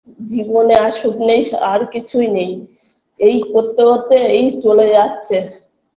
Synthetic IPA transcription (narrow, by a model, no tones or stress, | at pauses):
d͡ʑiboneaʃoknejaɾkit͡ɕʰujnej | ejkot̪ːeɦot̪eejt͡ɕoled͡ʑatːɕʰe